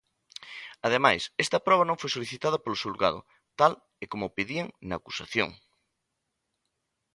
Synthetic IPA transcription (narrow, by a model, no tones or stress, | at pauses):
ɐð̞emajsɛst̪ɐpɾɔβɐnõŋfojsoliθit̪að̞ɐpolʊsulɣa̰ðʊ̰ | t̪al | ekomopiðieŋnɐːku̥saθjo̰ŋ